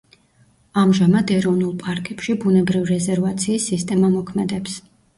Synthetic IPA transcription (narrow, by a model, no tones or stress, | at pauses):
amʒamad̪ɛɾɔvnulˠpʼaɾkʼɛpʃibunɛbɾivɾɛzɛɾvat̪sʰiːsːist̪ʼɛmamɔkʰmɛd̪ɛps